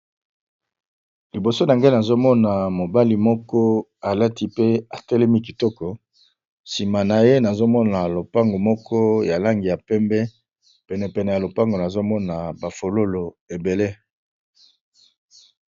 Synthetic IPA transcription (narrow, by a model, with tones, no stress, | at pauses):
li˨bo˨so˦na˨ŋɡe˦na˨zo˦mɔ˦na˨mo˨ba˦li˦mɔ˦kɔ˦a˨la˦ti˦pe˦a˨tɛ˦lɛ˦mi˦k̬i˨tɔ˦kɔ˨ | si˨ma˨na˨je˦na˨zo˦mɔ˦na˨lo˨pa˦ŋɡo˨mɔ˦kɔ˦ja˨la˦ŋɡi˨ja˨pɛ˦mbɛ˦ | pɛ˨nɛ˨pɛ˨nɛ˨ja˨lo˨pa˦ŋɡo˨na˨zo˦mɔ˦na˨ba˨fo˨lo˦lo˨ | e˨be˨le˦